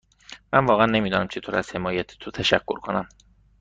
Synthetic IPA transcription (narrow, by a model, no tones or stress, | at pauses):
mæ̰nvɒːɣeænːe̞miːd̪ɒːnæmt͡ʃʰe̞t̪ʰoːɾæz̥he̞mɒːjæt̪ʰe̥t̪ʰot̪ʰæʃækʰːoɾkʰonæm